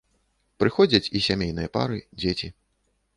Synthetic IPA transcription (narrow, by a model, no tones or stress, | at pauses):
pɾɨxɔd͡zʲɐt͡sʲisʲamʲejnɨjɐpa̰ɾɨd͡zʲet͡sʲi